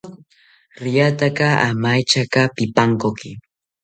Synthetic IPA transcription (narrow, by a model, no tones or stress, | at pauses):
ɾɪjat̪akaa̰majt͡ʃakapɪpaŋkokɪ